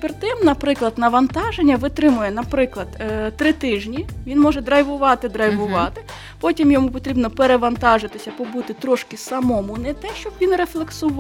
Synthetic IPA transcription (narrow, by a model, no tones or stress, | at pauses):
pert̪ɪmnɐpɾɪklˠɐd̪nɐʋɐnt̪ɑʒenʲːɐʋɪt̪ɾɪmʊjɛnɐpɾɪklˠɐd̪t̪ɾɪt̪ɪʒnʲiʋʲinmɔʒɛd̪ɾɐjʋʊʋɑt̪ɪd̪ɾɐjʋʊʋɑt̪ɪ | pɔtʲimjɔmupɔt̪ɾʲibnɔpeɾeʋɐnt̪ɑʒɪt̪ɪsʲɐpɔbut̪ɪt̪ɾɔʃkɪsɐmɔmʊnɛt̪ɛʃt͡ʃɔbʋʲinreflˠeksʊʋ